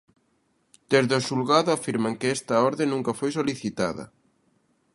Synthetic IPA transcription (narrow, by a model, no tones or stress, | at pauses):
d̪̥ezðoʃulɣaðʊafiɾmaŋkɪɛst̪ɐɔɾðenːũŋkɐfojs̬oliθit̪a̰ðɐ̰